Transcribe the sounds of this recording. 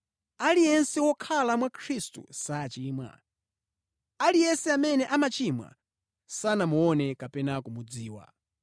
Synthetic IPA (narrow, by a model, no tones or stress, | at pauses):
alijɛnsɛwɔkʰalamwakʰɾistṵsat͡ʃiːmwa̰ | alijɛsɛamɛnɛʔamat͡ʃimwa̰ | sanamuɔnɛkapɛnakumud͡ziːwa̰